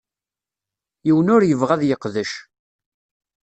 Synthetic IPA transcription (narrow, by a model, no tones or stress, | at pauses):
jiwənʊɾjəvʁæðjəqðəʃ